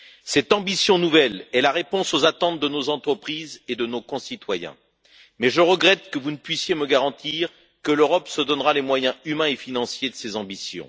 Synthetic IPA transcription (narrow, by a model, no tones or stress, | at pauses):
sɛt̪ɑ̃bisjɔ̃nuvɛlɛlaʁepɔ̃sozat̪ɑ̃t̪̚d̪ənozɑ̃t̪χəpχized̪ənokɔ̃sit̪wajɛ̰̃ | mɛʒəʁəɡʁɛt̪kəvunəpɥisjeməɡaʁɑ̃t̪iʁ | kəløʁɔpsəd̪ɔnʁalemwajɛ̃ymɛ̃efinɑ̃sjed̪əsezɑ̃bisjɔ̰̃